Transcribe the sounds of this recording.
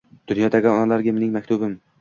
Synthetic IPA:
d̪̥ʊnjɒd̪aɡʲanɒnalaɾɡʲamenɪŋmakʲt̪ʰʊbɪm

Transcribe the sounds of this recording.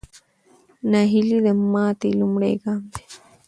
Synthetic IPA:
nɐɦilid̪ɐmːaːt̪ilumɽḛɡaːmd̪e̥

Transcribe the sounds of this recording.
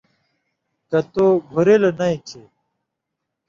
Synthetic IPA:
kɐt̪oɡʱuɾelenɐĩt͡ɕʰe

